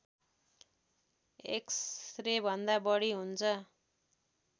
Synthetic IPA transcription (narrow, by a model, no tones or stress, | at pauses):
ḛksrebʱʌnd̪abʌɽiɦunt͡sʰʌ